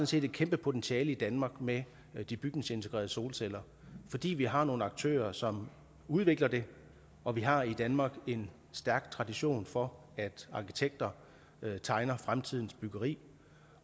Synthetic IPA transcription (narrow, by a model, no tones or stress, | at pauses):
ɔ̽n̩se̝̰ːd̥ed̥̚kʰemb̥əpʰo̝t͡sʰenɕiɛːləid̥ænmɑ̈ːɡ̥me | d̥ib̥yɡ̥neŋse̝nt͡sʰeɡ̥ʁɛ̰ːɐð̩ˠso̝ːlsel̰ɐ | fɒ̽d̥ḭːʋiɦɑ̈no̝ːn̩ɑ̈ɡ̥̚t͡sʰø̰ːɐsɒ̽m | uð̞ˠʋe̝ɡ̥lɐd̥e̝ | ɒ̽ʋiɦɑ̈id̥ænmɑ̈ːɡ̥e̝n | sd̥æɐɡ̥̚t͡sʰʁɑ̈d̥iɕo̝̰ːnfɒ̽ | æd̥ɑ̈kʰi̥t͡sʰeɡ̥̚d̥ɐ | t͡sʰɑ̈ɪnɐfʁamt͡sʰið̞̰ˠn̩sb̥yɡ̥ɐʁḭː